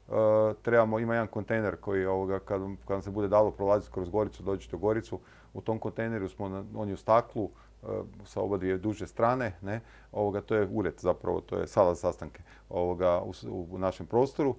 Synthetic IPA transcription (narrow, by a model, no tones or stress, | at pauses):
ət̪ɾe̞bamo̞imajed̪ankont̪e̞jne̞ɾko̞jio̞ʋoɡakad̪amkad̪amsebud̪ed̪aːlopɾolˠaːzit̪kɾozɡo̞ɾit̪ud̪oːt͡ʃi̥t̪oɡo̞ɾit̪su | ut̪o̞mko̞nt̪ejneɾusmo̞noniust̪aklˠṵ | sao̞bad̪ʋied̪uʒest̪ɾaːne̞ne | o̞ʋoɡat̪o̞ːjeuɾet̪zapɾa̰ʋo̰t̪o̰jḛsad̪azasast̪aŋke̥ | oʋoɡaṵunaʃempɾo̞ːst̪o̞ɾu